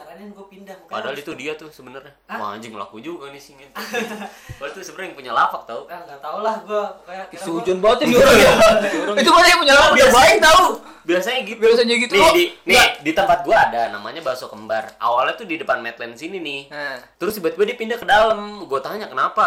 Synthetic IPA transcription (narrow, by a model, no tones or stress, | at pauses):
kanɡuapindaŋpadaalit̪udiat̪ʊsəbənərɲaa̰ɲd͡ʒɪŋla̰kud͡ʒuɡanisiŋa | walat̪usəbərjaŋpuɲalafak̚t̪aut̪aulahɡuaituud͡ʒʊnbat̪uɾ | it̪ubat̪japuɲalaakbiabaɛk̚t̪au | biasaɲaɡibiasaɲaɡit̪unɪdinɪdit̪əmpat̪̚ɡuaːdanama̰ɲabasokəmbara̰walat̪udidəpanmɛt̪lɛnsininɪht̪əɾʊsbuat̪̚ɡuadiapindahkədaləmɡuat̪aɲakənapa